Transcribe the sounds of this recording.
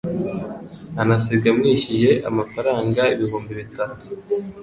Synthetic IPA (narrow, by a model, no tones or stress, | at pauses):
anasiɡamŋiɕije̞ʔa̰mafaɾaːŋɡaiβiɦuːmbiβitatu̥